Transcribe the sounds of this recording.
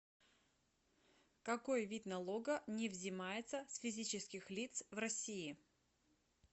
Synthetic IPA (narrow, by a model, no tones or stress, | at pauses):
kɐkojvʲit̪nɐlˠoɡənʲɪvzʲɪmajɪt̪səsfʲɪzʲit͡ɕɪskʲɪxlʲit̪svrɐsʲiɪ